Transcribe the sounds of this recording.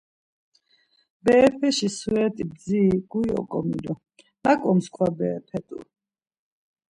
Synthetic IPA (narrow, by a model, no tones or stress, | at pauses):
bɛːpʰɛʃisuɛt̪ʼib̚d̪ziɡ̥ujɔ̰kʼɔmḭlɔ | nakʼɔmskʰʼwabɛːpʰɛt̪ʼṵ